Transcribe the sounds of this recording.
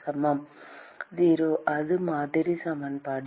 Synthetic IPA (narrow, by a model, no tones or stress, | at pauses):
sɐmɐm | diːɾoʔɐðɯmaːd̪iɾisɐmɐnpaːɽ